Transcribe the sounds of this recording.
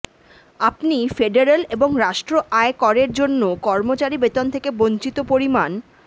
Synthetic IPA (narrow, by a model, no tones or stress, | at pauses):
apnifeɖeɾeleboŋɾaʃʈɾoʔaekɔɾeɾd͡ʑonːokɔɾmot͡ɕaɾibet̪ont̪ʰekebont͡ɕit̪opoɾiman